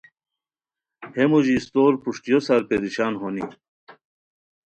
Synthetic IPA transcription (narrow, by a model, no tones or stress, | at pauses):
hemuʑist̪oːɾpuʂʈijosaɾpeɾiɕaːnɦoni